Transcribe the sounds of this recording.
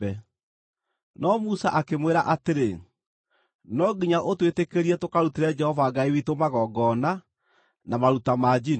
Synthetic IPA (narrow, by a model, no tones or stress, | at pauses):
ɛ | nɔmusaʔakemweɾaʔateɾe | nɔɡiɲaʔotwetekeɾiɛtokaɾutiɾɛd͡ʒɛhɔvaɡaiwitomaɣɔɡɔna | namaɾutamad͡ʒin